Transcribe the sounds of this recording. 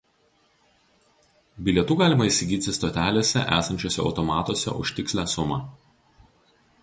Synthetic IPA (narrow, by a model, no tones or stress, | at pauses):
bʲɪlʲɛt̪uːɡɑːlʲɪmɐisʲɪɡʲiːt̪ʲɪst̪oːt̪ʲæːlʲeːsʲɛ̰ʔæ̰ːsɐnʲt͡ʃʲoːsʲɛɒ̰ʊt̪ɔmɑːt̪oɔsʲɛ̰ʔʊ̰ʃʲt̪ʲɪksʲlʲæːsʊmɑː